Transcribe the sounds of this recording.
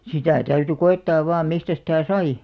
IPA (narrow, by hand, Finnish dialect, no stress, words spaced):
sitæˑ tæyty koetːɑːʋ ʋɑːm mistæ sitæˑ sɑi